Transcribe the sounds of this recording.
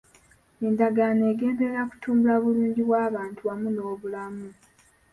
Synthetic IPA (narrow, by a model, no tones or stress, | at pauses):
endaɡane̞ːɡe̞ːmbeɾaku̥tuːmbulaβuluːɲɟiβwaːβaːntuwamuno̞ːβulamu